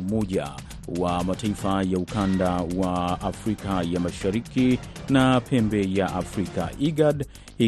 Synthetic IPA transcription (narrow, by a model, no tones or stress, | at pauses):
umɔʄa̰ | wamataifajaukandawaːfɾikajamaʃaɾiki | napʰɛmbɛjaʔafɾika̰ʔiɡad | i